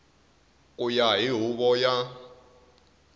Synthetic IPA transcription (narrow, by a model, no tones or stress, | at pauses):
kʼujaɦiɦuβɔja